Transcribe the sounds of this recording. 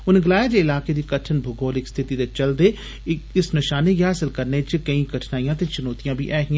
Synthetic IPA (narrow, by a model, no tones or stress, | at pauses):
ʊnẽɡɪlaːjed͡ʒ̪eɪlaːked̪ikɐʈʰənbʱʊɡoːlɪkst̪ʰɪt̪id̪et͡ʃɐld̪eː | ɪsnɪʃaːnekɦaːsɪlkɐɾnet͡ʃɪkɐĩkɐʈʰnaːijãːt̪et͡ʃʊnoːt̪ijãːbʱḭʔɛːɦɪã